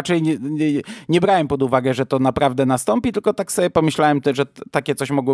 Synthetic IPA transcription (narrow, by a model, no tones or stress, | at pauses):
t͡ʂɛj | ɲɛbɾawɛmpɔd̪uvaɡɛʐɛt̪ɔnapɾavd̪ɛnast̪ɔmpʲit̪ɘlkɔt̪aksɔbjɛpɔmɘɕlawɛmt̪ɛʐɛt̪akʲɛt̪sɔɕmɔɡwɔ